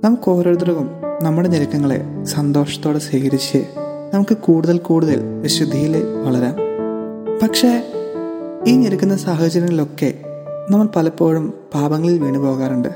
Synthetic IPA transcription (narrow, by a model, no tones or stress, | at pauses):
nɐmukːo̞ːɾɐɾd̪rɐʋumnɐmːuɽeɲeɾɐkʲːɐŋːɐɭḛsɐnd̪o̞ːrʂɐ̥t̪ːoːɽesiːkɐɾit͡ɕːɨ | nɐmukːɨkuːɽuðɐlkuːɽuðɐ̰lʋɐɕud̪ʱːijileʋɐɭɐɾaːm | pɐkʂe̞ | iːɲeɾɐkʲːunːɐsaːɦɐt͡ɕɐɾɐŋːɐɭilo̞kːe̞̰ | nɐmːɐɭpɐlɐpːo̞ːɻumpaːbɐŋːɐɭilʋeːɳɖipoːɣaːɾuɳɖɨ